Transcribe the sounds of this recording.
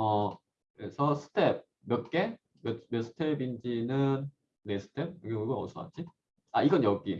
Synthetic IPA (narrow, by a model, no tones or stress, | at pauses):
ʌ | kɯɾesʰʌsʰɯ̥tʰep̚ | mjʌt̚k͈e̞ | mʌmjʌsʰɯ̥tʰebind͡ʑinɯn | nesʰɯ̥tʰep̚oɡeuɡoʌsʰua̰t͡ɕʰi | aiɡʌnjʌk͈i